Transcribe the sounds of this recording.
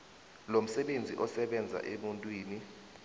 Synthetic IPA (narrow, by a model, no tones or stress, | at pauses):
lom̩sɛɓend͡zʱiʔɔsɛɓɛnd͡zʱa̰ʔemuntʼwiːni